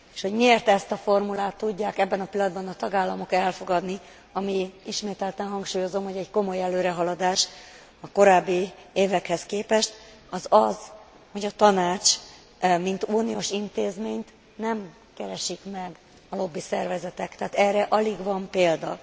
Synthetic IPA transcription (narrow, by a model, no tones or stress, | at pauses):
e̥ʃho̞ɟmieːrt̪ɛst̪ɒfo̞rmulaːt̪ːuɟːaːkɛbːɛnɒpilːɒd̪bɒnɒt̪ɒɡaːlːɒmo̞kɛlfo̞ɡɒd̪ni | ɒmiiʃmeːt̪ɛlt̪ɛnɦɒŋkʃuːjo̞zo̞mho̞ɟɛɟko̞mo̞jɛløːɾɛɦɒlɒd̪aːʃ | ɒko̞ɾaːbːieːvɛkhɛskeːpɛʃt̪ | ɒzɒz | ho̞ɟɒt̪ɒnaːt͡ʃ | mint̪uːnioːʃint̪eːzmeːɲt̪ | nɛm | kɛɾɛʃikmɛɡ | ɒlo̞bːisɛrvɛzɛt̪ɛkt̪ɛaːt̪ɛːrːɛʔɒliɡvɒmpeːld̪ɒ̰